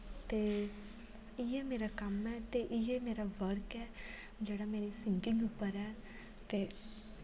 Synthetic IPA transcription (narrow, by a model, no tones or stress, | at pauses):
t̪eː | ɪjɛːmeːɾaːkəmɛːt̪eʔɪjɛːmeːɾaːʋəɾkɛː | d͡ʒeːɽameːɾiːsɪŋkɪŋɡʊpːəɾɛː | t̪eː